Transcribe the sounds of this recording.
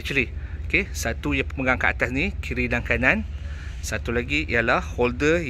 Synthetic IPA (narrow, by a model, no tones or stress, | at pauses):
t͡ʃəliokesat̪ujaŋpəməŋɡaŋkəʔa̰t̪asnĩkiɾidaŋkanãn | sat̪ulaɡiʔḭjalahholdə